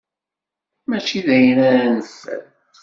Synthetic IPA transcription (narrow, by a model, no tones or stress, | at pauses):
mæt͡ʃːiðæjnæɾænsə̰n